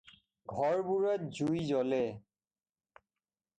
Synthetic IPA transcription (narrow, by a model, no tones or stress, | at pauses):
ɡʱɔɹbuɹɔt̪̚zujzɔlɛ